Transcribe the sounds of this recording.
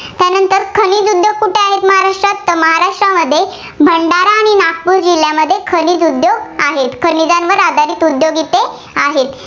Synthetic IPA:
t̪janənt̪əɾkʰəniːd͡zud̪joɡ̚kuʈʰeaɦet̪məɦaɾaʂʈɾat̪ːəməɦaɾaʂʈɾaməd̪ʱːje | bʱəɳɖaɾaːɽ̃inak̚puːɾd͡ʑiljaməd̪ʱːjekʰənid͡zud̪joɡaɦet̪kʰənid͡zãnʋəɾad̪ʱaɾiːt̪ud̪joɡit̪e | aɦet̪

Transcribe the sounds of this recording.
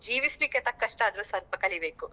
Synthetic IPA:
d͡ʒiːʋislikːet̪ɐkːɐʂʈaːd̪ɐɾuːsɐɾpɐkɐlibe̞ːku

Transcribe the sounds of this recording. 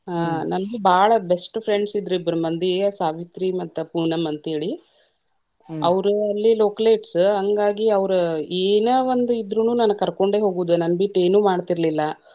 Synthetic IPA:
aːnɐnɐɡubaːɭɐbesʈpʰɾe̞ɳɖsid̪ːɾuibːɾɐmɐnd̪iejɐsaːʋit̪ɾimɐt̪ːupuːnɐmɐnt̪ɐɦe̞ːɭi | ɐʋɾuɐlːiloːkɐleːʈsɦɐŋɡaːɡiɐʋɾueːnɐʋond̪uid̪ɾunuːnɐnːɐkɐɾko̞ɳɖe̞ːɦo̞ːɡuʋːd̪unɐnɐbiʈːe̞ːnuːmaːɽt̪iɾɐlilːɐ

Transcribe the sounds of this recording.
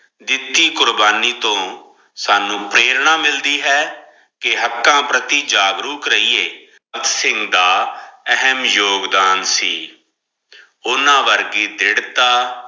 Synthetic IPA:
d̪ɪt̪iːkʊɾbaːniːt̪õː | saːnũːpɾeːɾɳaːmɪld̪iːɦɛː | kɪɦəkːãːpɾət̪iːd͡ʒaːɡɾuːkɾəiːeː | kt̪sɪ̃ŋɡd̪aːəɦəmjoːɡd̪aːnsiː | ʊnãːʋəɾɡiːd̪ɪɽt̪aː

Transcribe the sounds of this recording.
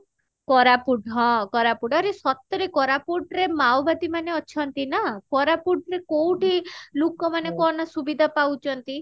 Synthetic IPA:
kɔɾapuɖʱɦɔ̃kɔɾapuɖaɾesɔt̪ɔɾekɔɾapuɖɾemawbad̪imaneɔt͡ʃʰɔnt̪inakɔɾapuɖɾekowʈilukɔmanekɔnasubid̪ʱapawt͡ʃʰɔnt̪i

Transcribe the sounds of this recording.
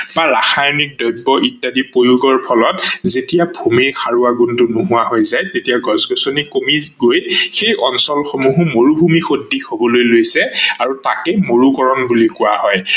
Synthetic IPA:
baɹaxajnik̚dɔjbːɔʔitːadipojuɡɔɹpʰɔlɔtzetijabʱumiɹxaɹuaɡuntʊnuɦuwaɦojzajtetijaɡɔzɡɔsonikomiɡojxejʔɔnsɔlxomuɦumoɹubʱumixodːixobɔlojlojsɛaɹutakɛmoɹukɔɹɔnbulikʊwahɔj

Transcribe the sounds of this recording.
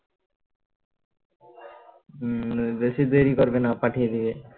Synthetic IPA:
besid̪ojɾikoɾbenapaʈʰijed̪ibe

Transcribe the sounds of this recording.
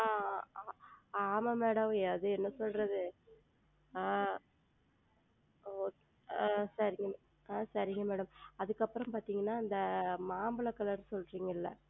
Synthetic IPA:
a | aːmɐmeːɽɐmaðɯɛnːɐsɔlɾɐðɯ | sɐɾɪŋɡɐ | sɐɾɪŋɡɐmeːɽɐmɐðɯkːɐpːɯɾɐmpaːɾt̪iːŋɡɐnːaːɪnd̪ɐmaːmbɐɭɐkːɐlɐɾsɔlɾiːŋɡɐɪlːɐ

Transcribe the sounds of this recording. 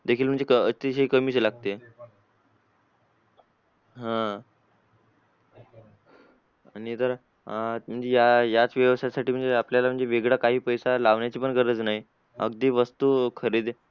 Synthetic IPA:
d̪ekʰiːlm̤əɳd͡zekəət̪iɕikəmiːɕelaɡ̚t̪e | ɦã | aɽ̃it̪əɾa | m̤əɳd͡zejajat͡sʋjəʋəst̪jasaʈiːm̤əɳd͡zeapljalam̤əɳd͡zeʋeɡɽakaɦiːpəjsalaʋnjat͡ɕiːpəɳkəɾət͡snaɦi | ə̰ɡd̪iːʋəst̪uːkʰəɾiːd̪

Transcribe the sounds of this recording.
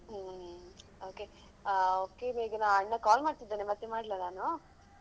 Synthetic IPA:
oːke | oːkeneːɡɐnaːʋɐɳːɐkaːlmaːɖt̪id̪ːeːnemɐt̪ːemaːɽlanaːnu

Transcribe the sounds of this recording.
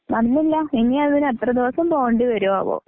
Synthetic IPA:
nɐnːilːɐinːiɐðinet̪rɐd̪iʋɐsɐmpo̞ːɳɖɨʋɐɾuʋaːʋo̰ː

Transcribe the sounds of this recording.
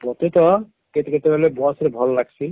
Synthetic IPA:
pɔt̪et̪ɔ | ket̪ket̪ebalebɔaseɾebʱɔlɔlaɡsʰi

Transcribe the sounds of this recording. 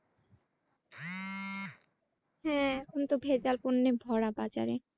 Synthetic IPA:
hɛ̃ɛkʰont̪obʱed͡ʑalponːebʱɔɽabat͡ɕa̰ɾe

